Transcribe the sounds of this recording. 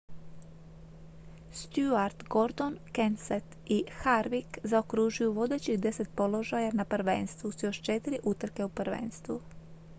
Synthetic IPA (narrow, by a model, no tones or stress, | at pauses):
st̪juaɾd̪ɡo̞ɾd̪onkenset̪ixaɾʋikzaokɾuʒujuʋo̞d̪e̞t͡ɕid̪e̞se̞t̪̚po̞lo̞ʒajanapr̩ʋḛnst̪ʋusijoʃt͡ʃe̞t̪iɾiʔut̪ɾ̩ke̞upɾʋḛːnst̪ʋu